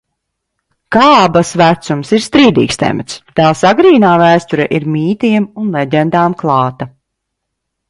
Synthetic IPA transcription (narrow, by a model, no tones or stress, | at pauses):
kaːbasvæt̪sumsiɾst̪ɾiːd̪ḭːkst̪ɛ̰mɛ̰t̪st̪aːsaɡɾiːnaːvæːst̪uɾɛʔiɾmʲiːt̪iɛmunlʲˠɛɟʲɛnd̪aːmklˠɑːt̪a